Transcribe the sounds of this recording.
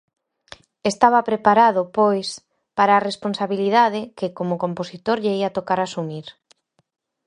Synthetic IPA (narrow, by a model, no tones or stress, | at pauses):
est̪aβapɾepaɾaðʊpojs | paɾaːresponsaβiliðað̞ɪkɪkomʊkomposit̪oɾʎeiat̪okaɾasumiɾ